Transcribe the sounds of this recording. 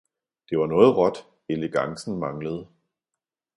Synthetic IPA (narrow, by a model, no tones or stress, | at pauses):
d̥e̝ʋɑ̈nɔ̽ːð̩ˠʁɒ̽d̥ | eləɡ̥ɑ̈ŋsn̩mɑ̈ŋləð̞̩ˠ